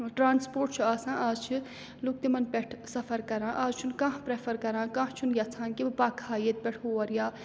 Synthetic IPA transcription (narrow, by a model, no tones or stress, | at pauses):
ʈɾaːnspoːɾʈ̚t͡ʃʰuaːsãːʔaːzt͡ʃʰi | luk̚t̪imɐnpʲɛʈʰsɐpʰɐɾkɐɾãːʔaːzt͡ʃʰunkãɦpɾeːpʰɐɾkɐɾãːkãːt͡ʃʰunjɐt͡sʰaːnkipaːkʰaːjet̪̚pʲɛʈʰoːʋɐɾjaː